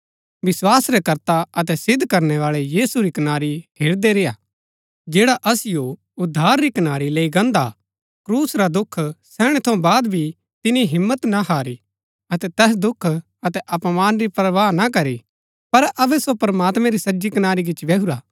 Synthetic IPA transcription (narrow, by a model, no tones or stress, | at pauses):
ʋɪswaːsɾɛkɐɾt̪aɐt̪ɛsɪd̪ʱːkɐɾnɛʋaːɭɛjiːsuɾikɐnaːɾiɦʰeːɾd̪eɾeːja̰ | d͡ʒeːɽaʔɐsɪjo | ʊd̪ʱːaːɾɾikɐnaːɾileːiɡɐ̃nd̪a̰ | kɾuːsɾad̪ʊkʰːsɛːɽ̃ɛt̪ʰoõbaːd̪bʱi | t̪ɪniɦɪmːət̪naɦaːɾi | ɐt̪ɛt̪ɛːs̬d̪ʊkʰ | ɐt̪ɛʔɐpmaːnɾipɾɐʋaːnakɐɾi | pɐɾɐbɛsopɾɐmaːt̪mɛ̃ɾisɐd͡ʒikɐnaːɾik̬ɪt͡ʃʋeːɦuɾaː